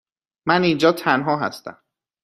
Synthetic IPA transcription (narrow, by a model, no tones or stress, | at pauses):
mænind͡ʒɒːt̪ʰænɦɒːɦæ̰st̪æ̰m